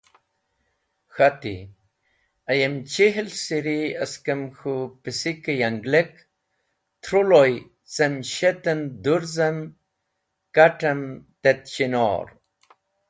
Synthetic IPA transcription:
xat̪ḭ | ajəmt͡ʃiɦlsiɾiɐskəmxupisikəjaŋɡlek | t̪ʰɾuloj | semʃet̪ənd̪uɾzəm | kaʈɐmt̪et̪ɕino̰ɾ

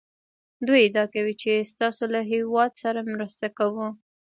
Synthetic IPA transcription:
d̪ujɪd̪ɑkawit͡ʃest̪ɑsolaɦewɑd̪saɾamɾəst̪akawu

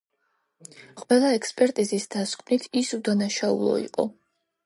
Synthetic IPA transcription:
qʼwɛlˠaɛkspʼɛɾt̪ʼizisd̪̥askʼnit̪ʰisud̪anaʃaṵlˠɔ̰ḭqʼɔ̰

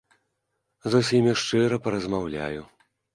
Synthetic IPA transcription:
zusʲimʲiʂt͡ʂɨɾɐpɐɾɐzmawlʲa̰ju

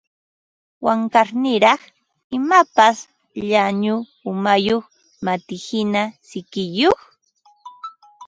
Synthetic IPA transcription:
waŋkaɾnɪɾɑχ | ɪmapas | ʎaɲʊ | ʊmajoχ | mat̪ɪhɪnasɪkɪjoχ

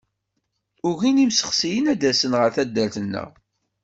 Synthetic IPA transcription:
ʊʝinimsə̥χsijənæd̪æsənʁəɾθæd̪ːælθənːə̰ʁ

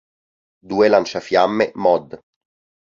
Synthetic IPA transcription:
d̪uːelant͡ʃafjamːemɔd̪

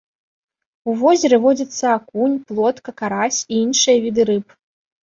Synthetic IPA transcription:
uvɔzʲɛɾɨvɔd͡zʲɐt̪sːɐakunʲplˠɔt̪kɐkaɾasʲiinʂɨjɐvʲid̪ɨɾɨp

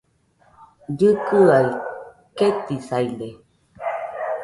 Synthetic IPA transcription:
d͡ʒɨkɯai | ket̪isajle

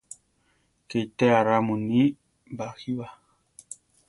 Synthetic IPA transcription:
kejt̪eaɾamuni | baxiβa

